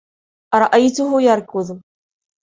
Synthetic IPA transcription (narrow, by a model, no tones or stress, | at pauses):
ʔaɾˤɑʔajt̪ʊɦʊjaɾkʊð